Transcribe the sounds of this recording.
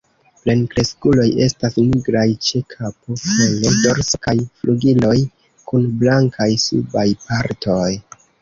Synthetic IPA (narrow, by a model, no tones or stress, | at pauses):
ple̞nkɾe̞skulo̞je̞stasniɡɾajt͡ʃe̞kʰapofenojdo̞ɾskajfluɡilo̞j | kunblaŋkʰajsṵbajpaɾto̞j